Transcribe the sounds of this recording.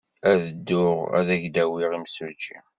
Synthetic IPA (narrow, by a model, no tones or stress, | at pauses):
æðəd̪ːʊʁæ̰ðæʝd̪æwiʁimsud͡ʒḭ